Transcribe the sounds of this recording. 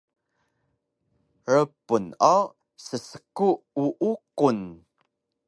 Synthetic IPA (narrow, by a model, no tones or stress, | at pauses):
ɾəpunɔ | səsəkuuʔukun